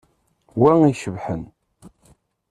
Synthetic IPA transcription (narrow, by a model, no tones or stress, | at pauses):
wæŋiʃəvħə̰n